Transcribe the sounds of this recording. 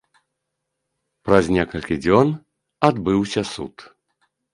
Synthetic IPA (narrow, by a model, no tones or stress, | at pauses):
pɾɐzʲnʲɛkɐlʲkʲid͡zʲɔn | ad̪bɨwsʲɐsṵt̪